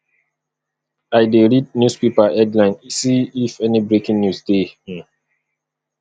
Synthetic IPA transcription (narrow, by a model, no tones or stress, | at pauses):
ajdeɹid̚njuspepaʔɛdlãɪ̃nisĩːfɛnibɹekĩŋnjusdẽ